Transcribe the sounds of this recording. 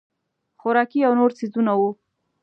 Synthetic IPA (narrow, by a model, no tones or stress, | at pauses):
xʊɾɑkiawnoɾt͡sizunawu